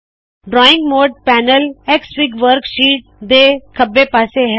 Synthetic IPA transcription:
ɖɾɔːɪ̃ŋɡmoːɖ̚pɛːnəleksʋɪɡʋəɾkʃiːʈ̚d̪eːkʰəbːepaːseɦɛ

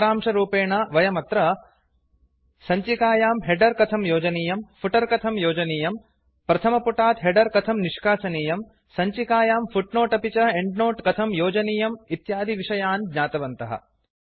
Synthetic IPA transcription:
ɾaːmʂɐɾuːpeːɳɐʋɐjɐmɐt̪ɾɐ | sɐɲt͡ʃikaːjaːmɦeɖɐɾkɐt̪ʰɐmjoːd͡ʒɐniːjɐmfʰuʈɐɾkɐt̪ʰɐmjoːd͡ʒɐniːjɐm | pɾɐt̪ʰɐmɐpuʈaːt̪ɦeɖɐɾkɐt̪ʰɐmniʂkaːsɐniːjɐm | sɐɲt͡ʃikaːjaːmfʰuʈnoːʈɐpit͡ʃɐeɳɖnoːʈkɐt̪ʰɐmjoːd͡ʒɐniːjɐmit̪jaːd̪ʱiʋiʂɐjaːnd̪ɲaːt̪ɐʋɐnt̪ɐɦɐ̰

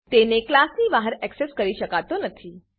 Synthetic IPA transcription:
t̪eneklasniʋaɦəɾɛkseskəɾiʃəkat̪onət̪ʰiː

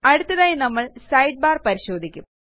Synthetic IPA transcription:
ɐɽut̪ːɐðaːjinɐmːɐɭsɐjɖ̚baːrpɐɾiɕo̞ːd̪ʱikʲːum

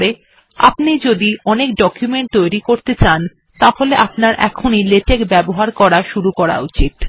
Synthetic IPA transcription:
ɽe | a̰pnid͡ʑod̪iɔnek̚ɖɔkjumeɳʈ̚t̪ojɾikoɾt̪et͡ɕan | t̪aholeʔapnaɾʔɛ̰kʰonileʈekbɛboɦaɾkɔɾaʃuɾukɔɾa̰ut͡ɕit̪

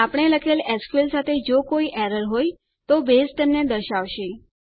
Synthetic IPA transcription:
apɳ̃eləkʰelɛskelsat̪ʰed͡ʒokoiʔɛɾəɾɦoj | t̪obesʈ̪ənned̪əɾʃaʋʃe

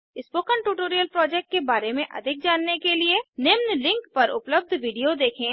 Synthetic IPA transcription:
ɪspoːkəɳʈuːʈoːɾijəlpɾɔːd͡ʒɛk̚ʈ̚kebaːɾemẽʔɐ̰d̪ʱɪk̚d͡ʒaːnːekelienɪmnlɪ̃ŋkpɐɾʔʊpləb̚d̪ʱʋiːɖijod̪eːkʰẽ

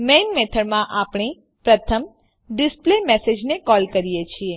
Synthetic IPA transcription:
menmet̪ʰəɾmãʔapɳ̃i | pɾət̪ʰəm | ɖɪsplemɛsed͡ʒnekɔlkəɾijet͡ʃʰie

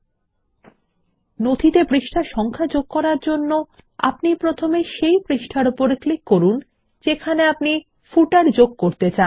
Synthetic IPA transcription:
nod̪ʱit̪ebɾiʃʈʰaʃɔŋkʰad͡ʑoɡ̚kɔɾaɾd͡ʑonːo | a̰pnipɾot̪ʰomeʃejbɾiʃʈʰaɾupoɾklikːoɾun | d͡ʑekʰaneapni | fuʈaɾd͡ʑoɡ̚koɾt̪et͡ɕan

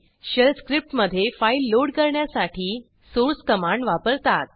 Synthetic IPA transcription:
ɕəlskɾip̚ʈməd̪ʱːjefailːoɽkəɾɳjasaʈʰiː | soɾskəmãɳɖʋapəɾt̪at̪̚

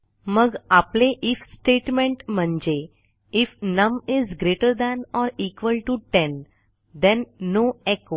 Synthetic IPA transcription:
məɡapleʔifsʈeʈmẽɳʈm̤əɳd͡ʑe | ifnəmizɡɾeʈəɾd̪ænɔɾikʋəlʈuʈɛ̃n | d̪ɛ̃nːoeko

